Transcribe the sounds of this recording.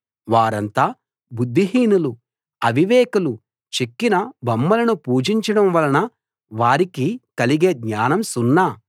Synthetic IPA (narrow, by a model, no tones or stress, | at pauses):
ʋaːɾɐnt̪aː | bud̪ʱːiɦiːnulu | ɐʋiʋɛːkɐlu | t͡ʃekːinɐbɐmːɐlɐnupuːd͡ʒiɲt͡ʃɐɽɐmʋɐlɐnɐ | ʋaːɾikikɐliɡeːɡɲaːnɐmsunːaː